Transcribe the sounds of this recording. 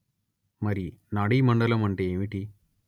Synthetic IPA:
mɐɾinaːɽimɐɳɖɐlɐmɐɳʈeːmiʈi

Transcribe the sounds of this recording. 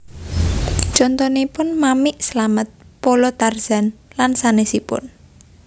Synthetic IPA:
t͡ʃɔnt̪ɔnipʊnmamɪʔsəlamət̪̚polɔt̪arz̥a̤nlansanesipʊ̰n

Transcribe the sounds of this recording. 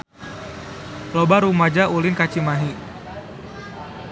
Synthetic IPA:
lobaɾumad͡ʒaʔulɪnkat͡ʃimaɦi

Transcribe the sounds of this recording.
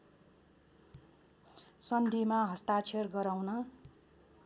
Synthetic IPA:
sʌnd̪ʱimaɦʌst̪at͡sʰerɡʌɾawnʌ

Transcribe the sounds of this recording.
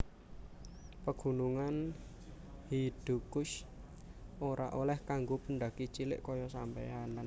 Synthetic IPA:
pəɡ̥ṳnuŋan | hid̪̥ṳkʊʃ | ʔoɾa̰ʔolɛhkaŋɡopəɳɖ̪a̤kit͡ʃilɪ̰ʔkɔjɔsampḛanan

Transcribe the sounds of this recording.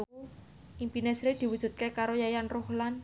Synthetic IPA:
impinesɾed̪̥iwud̥ʒ̥ṳt̪̚kekaɾojajanrohlan

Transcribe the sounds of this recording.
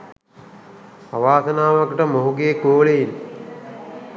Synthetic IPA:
aʋaːsɐnaːʋakʈəmoɦuɡeːkoːɭejil

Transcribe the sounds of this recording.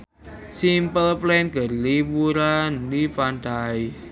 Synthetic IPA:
simpəlplɛnɡə̤rliwuɾandifant̪ai

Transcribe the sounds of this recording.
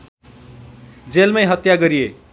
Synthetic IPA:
d͡zelmajɦʌt̪jaɡʌɾije

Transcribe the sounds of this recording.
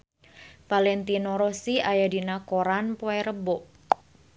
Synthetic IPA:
palɛnt̪inoɾosiajadinakoɾanpoɛɾəbɔʔ

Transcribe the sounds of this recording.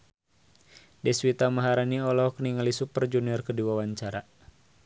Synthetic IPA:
dɛswit̪amaɦaɾaniɔlɔhkəniŋalisupərd͡ʒuniɔrkədiwawaɲt͡ʃaɾa

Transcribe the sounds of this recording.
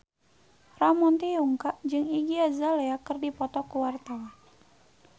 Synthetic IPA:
ramɔnt̪iuŋkaʔd͡ʒɨŋiɡiazaleakɨrdipɔt̪ɔkuwart̪awan

